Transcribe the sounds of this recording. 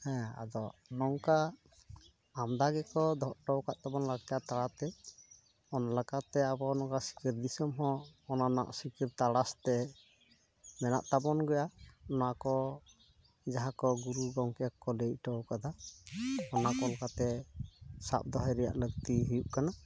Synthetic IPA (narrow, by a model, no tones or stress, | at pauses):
hɛ̃a̰d̪ɔnɔŋka | amd̪aɡɛkɔd̪ɔʔʈɔwkaʔt̪abɔnlaɡ̚t̪aʔt̪aɽat̪ɛ | ɔnalakat̪ɛabɔnɔkasi̥kiɾd̪isɔmɦɔ̃ːnana̰ʔsikiɾt̪aɽast̪ɛ | mɛna̰ʔt̪abɔnɡɔjaɔnɔakɔ | d͡ʒaɦakɔɡuɾuɡɔŋkijakɔlejʔ̚ʈɔwkad̪a | ɔnakɔlakat̪ɛ | sa̰p̚d̪ɔɦɔjɾɛja̰ʔləɡ̚t̪iɦijuʔkana